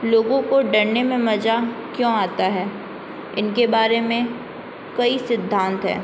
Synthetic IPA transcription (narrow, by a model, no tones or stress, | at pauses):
loːɡõkoɖɐɾnemẽmɐd͡ʒakjõːaːt̪aɦɛː | ɪnkebaːɾemẽ | kɐisɪd̪ʱːãːnt̪ɦɛ̰ː